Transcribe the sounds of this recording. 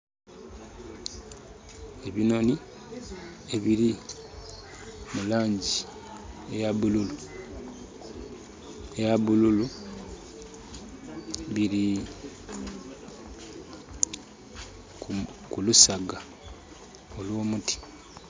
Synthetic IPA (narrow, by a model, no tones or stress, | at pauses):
eβino̞ni | e̞βiɾi | mulaːɲɟi | ejaβululu | ejaβululu | βiɾi | kulusaɡa | olwo̞ːmuti̥